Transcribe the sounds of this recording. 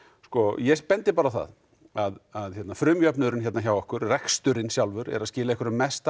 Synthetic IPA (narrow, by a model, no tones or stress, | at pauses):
skɔjɛpɛnt̪ɪpaːɾaθa̰ð | aðaðçɛt̪nafɾʏːmjœpnʏðʏɾɪnçɛt̪naçawɔhkʏɾ̥rɛkst̪ʏɾɪnsjawlvʏɾɛ̰ɾaðscɪːlaɛhkvʏɾʏmɛst̪a